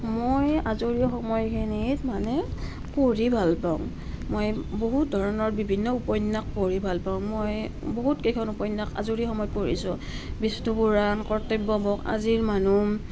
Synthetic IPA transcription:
mojazuɹixɔmɔjkʰinitmanɛ | poɹibʱalpaʊ̰̃ŋ | mojboɦut̚dʱɔɹɔnɔɹbibʱinːɔupɔjnːak̚poɹibʱalpaʊ̃moj | boɦutkejkʰɔnupɔjnːaka̰zuɹixɔmɔjpoɹḭsʊ̃ | bistubuɹankɔɹtebːɔbɔka̰ziɹmanu

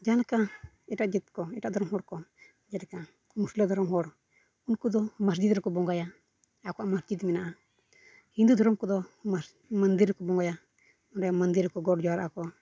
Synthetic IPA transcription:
d͡ʒanaka | ɛʈaʔd͡ʒit̪̚kɔɛʈaʔd̪ʱɔɾɔmɦɔɽkɔ | d͡ʒanaka | musklɔd̪ɔɾɔmɦɔɽ | unkud̪ɔmas̬d͡ʒid̪ɾɔkɔbɔŋɡaja | akɔamaɾd͡ʒid̪mɛnaʔa | hind̪ud̪ʱɔɾɔmkɔd̪ɔa | mand̪iɾɛkɔbɔŋɡaja | ɔnɛmand̪iɾkɔɡɔɖd͡ʒɔwaɾʔakɔ

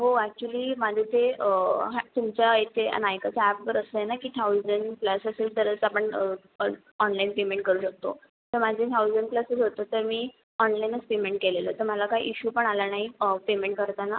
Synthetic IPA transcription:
ɦoæk̚t͡ɕuəliːmad͡zʱet̪eɦat̪umt͡ɕaet̪ʰḛnajkət͡səæpʋəɾəst̪əjenakiːt̪ʰawd͡zəɳɖklasəselt̪əɾət͡sapəɳə | ɔnlainpemẽɳʈ̚kəɾuːɕək̚t̪o̰ | t̪əɾmad͡zʱet̪ʰawd͡zəɳɖ̚klasəsɦot̪ət̪əɾmiː | ɔnlajnət͡spemeɳʈ̚keleləːt̪əɾmalakaḭʔiɕuːpəɳalanaɦipemẽɳʈ̚kəɾt̪ana

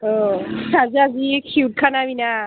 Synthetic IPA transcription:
oaziazikʰuwʈ̚kʰanabina

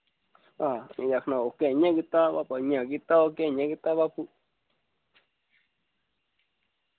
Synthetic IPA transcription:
aĩjahnãokẽɲãkit̪aβapaɲãkit̪aokẽɲãkit̪aβapu

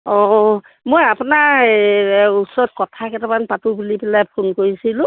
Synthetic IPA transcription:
ɔ | mojapunaɹ | usɔɹɔt̚kɔtʰakɛtamanpatubulibilajpʰonkoɹisilʊ̃

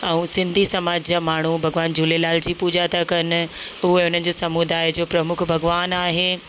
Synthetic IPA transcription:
ɛ̃ːsɪ̃nd̪ʱisɐmaːd͡ʑd͡ʑaːmaːɳ̤ubʱɐɡʋaːnd͡ʑʱulelaːld͡ʑiːpuːd͡ʑat̪ʰakɐnɪ̆ʊɦeʊn̤ənɪ̆d͡ʑoːsɐmud̪aːɪd͡ʑoːpɾɐmʊkʰbʱɐɡʋaːnaːɦeː

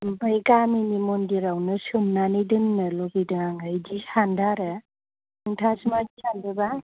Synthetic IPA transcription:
bajkaminimondiɾawnɯsɯmnanɯjdɯnːɯloɡidɯŋaŋajdisandaɾɯ | ɯŋtʰasmad͡ʒisʰandɯba

